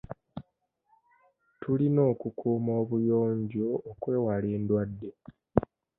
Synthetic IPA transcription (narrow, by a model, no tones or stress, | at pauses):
tʰulino̞ːkukʰuːmo̞ːβujo̞ːɲɟo̞ːkwe̞ːwale̞ːndwadːe̞